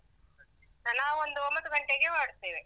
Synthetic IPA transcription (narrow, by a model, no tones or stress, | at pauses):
nnaːʋuond̪uombɐd̪uɡɐɳʈeɡemaːɽt̪ːeːʋe